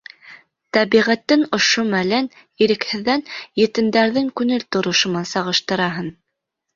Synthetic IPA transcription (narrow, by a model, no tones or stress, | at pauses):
t̪æβiʁæt̪ːɘnŏʃomælæn | iɾɘ̆khɘ̆ðːænjɘ̆t̪ɘ̆nd̪æɾðɘŋkʉŋɘlt̪ŏɾŏʃŏmɑsɑʁɤ̆ʃt̪ɤ̆ɾɑɦɤn